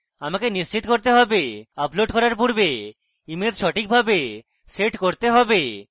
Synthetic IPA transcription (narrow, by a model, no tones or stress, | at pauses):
amakenist͡ɕit̪koɾt̪eɦɔbeaploɖkɔɾaɾpuɾbe | imed̪ʃɔʈik̚bʱabe | seʈkoɾt̪eɦɔbe